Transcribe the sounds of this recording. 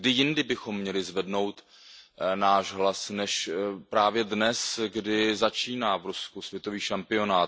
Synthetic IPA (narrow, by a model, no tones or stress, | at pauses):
dɪjɪndɪbɪxo̞mːɲɛlɪzvɛdno̞wt̪ | naːʒɦlasnɛʃpɾaːvjɛdnɛsɡdɪzat͡ʃiːnaːvɾuskusvjɛt̪o̞viːʃampɪo̞naːt̪